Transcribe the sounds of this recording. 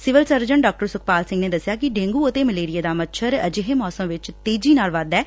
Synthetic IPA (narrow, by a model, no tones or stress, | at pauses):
sɪʋəlsəɾd͡ʒəɳɖɔːk̚ʈəɾsʊk̚ʰpaːlsɪ̃ŋɡneːd̪əsjaːkɪɖẽːŋɡuːʊt̪eːməleːɾijaːd̪aːmətːʃʰəɾəd͡ʒɪɦeːmɔːsəmʋɪt͡ʃt̪eːd͡ʒiːnaːlʋəd̪ɛː